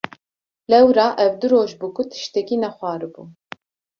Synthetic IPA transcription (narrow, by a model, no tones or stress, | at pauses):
lɛwɾɑːʔɛwd̪ɨɾoːʒbɨkʊt̪ʰɨ̥ʃt̪ɛkiːnɛxʷɑːɾɨbuː